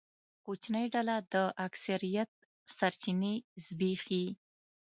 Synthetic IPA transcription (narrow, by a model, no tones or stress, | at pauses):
kot͡ʃnəjɖalad̪əʔaksaɾijat̪̚ | saɾt͡ʃinezbixi